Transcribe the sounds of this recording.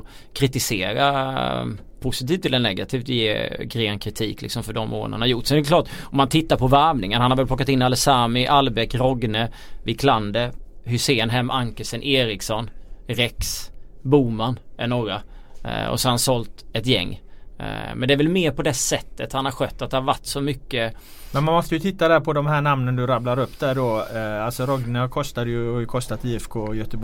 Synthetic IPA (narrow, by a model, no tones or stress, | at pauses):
kʰɾɪt̪ɪseːɾa̰ | pʰʊsɪt̪iːft̪ʰːɪlɛnːɛɡat̪ʰiːft̪jḛːɡɾeːnkʰɾɪt̪ʰiːklɪ̰ksɔmfœɖɔmːo̰ːnə̰naɾjʊʈːsɛd̪ɛɛkʰlɑːʈɔmhant̪ʰɪt̪ːaɾpʰɔvæɾvnɪŋənhanhaɾvɛlpʰlɔkːat̪ɪnːaləsaːmɪʔalbɛkɾɔɡnə | vɪkʰland̪əhʏseːnɦɛmːʔaŋkəsənʔeːɾɪksɔnɾɛksbuːmanʔɛ̰nːoːɡɾa | ɔ̰sɔhansɔlt̪ɛt̪jɛ̰ŋː | mɛnd̪ɛæɾvɛlmeːɾpɔd̪ɛsɛt̪ːət̪hanhaɾɧœt̪ːat̪̚d̪ɛhaɾvaʈːsɔmʏkːə | mɛnmanmɔst̪əjɵt̪ʰɪt̪ːad̪æːɾpʰɔd̪ɔmɦæːɳamnənd̪ɵɾablaɾɵpːd̪æɖɔalsɔɾɔɡnəhkʰɔst̪ad̪əjɵajɵkʰɔst̪at̪iːɛfkʰoːjœt̪əb